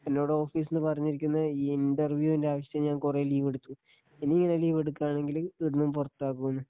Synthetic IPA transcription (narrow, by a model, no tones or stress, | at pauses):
ɐnːo̞ːɽeo̞ːfiːs̬enːɨpɐrɐɲːiɾikʲːunːɐiːinɖɐrʋjuːinde̞aːʋɐɕjɐt̪eɲaːnkureliːʋeɽut̪ːu | inːiiŋːɐneliːʋeɽukːaːɳe̞ŋɡilueðɐnːumpurɐt̪ːaːk̬ːuenːɨ